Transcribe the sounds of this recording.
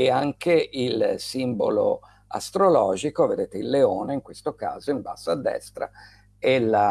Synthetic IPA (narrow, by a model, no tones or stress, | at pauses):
eaŋkeʔilsimbo̰lo̰ | a̰st̪ɾolɔːd͡ʒikoved̪eːt̪eilːeoːneiŋkwest̪oka̰ːzoimbasːaːd̪ːɛ̰st̪ɾa̰ | elːa